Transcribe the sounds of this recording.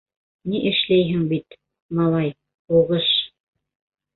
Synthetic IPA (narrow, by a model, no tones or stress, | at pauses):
niʔɘ̆ʃlæjɦɘŋbit̪ | mɑlˠɑj | uʁɤʃ